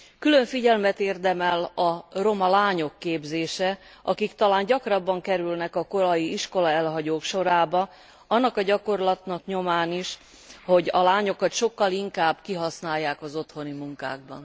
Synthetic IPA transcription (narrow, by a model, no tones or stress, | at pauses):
kyløɱfiɟɛlmɛt̪eːrd̪ɛmɛlɒromɒlaːɲo̞kːeːbzeːʃɛʔɒkikt̪ɒlaːnɟɒkrɒbːɒŋkɛɾylnɛkɒko̞ɾɒjiiʃko̞lɒɛlɦɒɟoːkʃo̞ɾaːbɒ | ɒnːɒkɒɟɒko̞rlɒt̪nɒkɲo̞maːniʃ | ho̞ɟɒlaːɲo̞kɒt̪ʃo̞kːɒliŋkaːbkiɦɒsnaːjːaːkɒzo̞t̪ho̞nimuŋka̰ːɡ̚bɒ̰n